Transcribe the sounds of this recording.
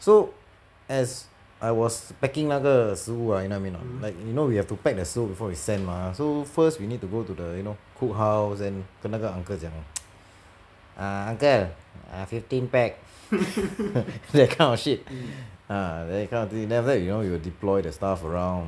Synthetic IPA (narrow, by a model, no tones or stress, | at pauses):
so | ɛs | ʔaɪwɔspɛkĩŋnaɡəsuajunoamĩnːɔ̰t̚laɪk̚junowihɛftupɛk̚dəsubifɔwisɛ̃nmasofəstwinid̚tuɡotudəjunokʰuk̚ɦawsdɛ̃nkənaɡəãŋkəsjãŋ | ʔaãŋkəa̰fiftĩnpɛk̚ | dɛkʰãɪ̃nɔʃit̚adɛkʰãɪnɔtidɛɔfdɛt̚junowiwildiplɔɪdəstafəɹãw̃n